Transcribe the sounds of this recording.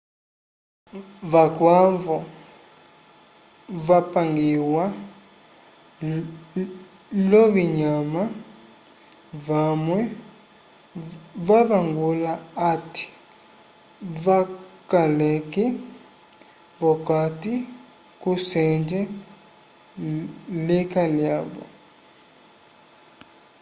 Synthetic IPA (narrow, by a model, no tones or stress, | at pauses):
vakwavɔ | vapaŋɡiwa | lɔviɲama | vamwɛ | vavaŋɡulaati̥ | vakalɛkɛ | vɔkati | kusɛnd͡ʒɛ | lekaljavɔ̰